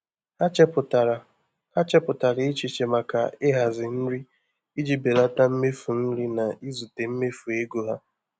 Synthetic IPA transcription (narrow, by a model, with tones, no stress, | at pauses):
a˦t͡ʃpʊ˨ta˨ɾ | a˦t͡ʃɛ˦pʊ˨ta˨ɾɪ˨˦ɪ˦t͡ʃi˨t͡ʃe˨ma˨ka˨e˦ɦa˨zɪ˨n̩˦ɾi˦ | i˦d͡ʒi˦be˨la˦ta˦m̩˦me˦fu˨n̩˦ɾi˦na˨i˦zu˨te˨m̩˦me˦fu˨e˦ɡo˦ɦa˦